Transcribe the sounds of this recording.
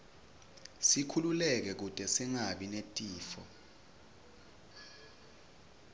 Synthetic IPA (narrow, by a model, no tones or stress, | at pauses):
sikʰululɛk̬ɛk̬utʼɛsiŋaɓinetʼiːfɔ